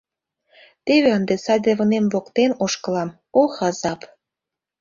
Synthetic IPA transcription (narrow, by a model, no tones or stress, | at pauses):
t̪eβeənd̪esɑdʲeβɤnemvokt̪enoʃkɤ̆lɑm | oxɑzɑp